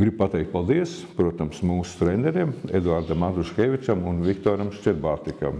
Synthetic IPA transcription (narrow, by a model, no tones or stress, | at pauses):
ɡɾib̚pat̪ɛːkt̪̚palˠd̪iɛs | pɾuɔt̪amsmuːst̪ɾenʲɛɾemḛd̪uaɾd̪amat̪uʃxʲeːʋʲit͡ʃɐmunʋʲikt̪oːɾɐmʃt͡ʃʲɛɾbaːt̪ikɐ̰m